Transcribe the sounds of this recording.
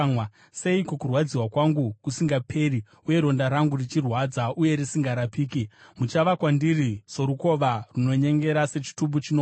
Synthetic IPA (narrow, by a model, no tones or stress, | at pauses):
w | se̞ikokurwad͡ziwakwaŋɡukusiŋɡapʰe̞ɾi | uje̞ɾo̞ndaɾaŋɡurit͡ʃirwad͡zaʔuje̞risiŋɡaɾapiːkimut͡ʃaʋakwandiriso̞ɾuko̞ʋaruno̞ɲe̞ŋɡe̞ɾase̞t͡ʃi̥tumbut͡ʃino